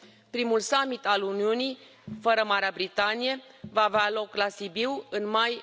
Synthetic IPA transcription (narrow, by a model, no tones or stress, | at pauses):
pɾimulsamit̪aluniunij | fəɾəmaɾeabɾit̪anijevaːvealo̞klasibiwɨnmaj